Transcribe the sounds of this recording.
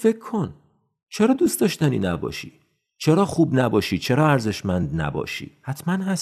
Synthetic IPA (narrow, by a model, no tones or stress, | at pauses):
fe̞kʰːo̞n | t͡ʃʰe̞ɾɒːd̪uːst̪ɒːʃt̪ænḭːnæbɒ̰ːʃḭː | t͡ʃʰe̞ɾɒːxuːbnæbɒːʃit͡ʃʰe̞ɾɒːæɾze̞ʃmænd̪næ̰bɒ̰ːʃḭːhæt̪ʰmænɦæs